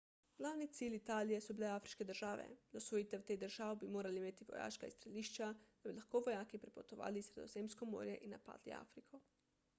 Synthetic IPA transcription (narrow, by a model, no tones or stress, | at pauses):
ɡ̥laːwnit̪siːlit̪aːlijɛsɔbilɛaːfɾiʃkɛd̪əɾʒaːʋɛ̰d̪asʋojit̪ɛwt̪eːd̪əɾʒaːʋbimoːɾaliimeːt̪iʋɔ̰ja̰ːʃkaḭst̪ɾɛliːʃt͡ʃad̪̥abilaxkoːʋɔjaːkipɾɛpot̪ɔʋa̰ːlisɾɛd̪ozeːmskɔmo̰ːɾjɛʔinːapa̰ːd̪lḭa̰ːfɾikʰo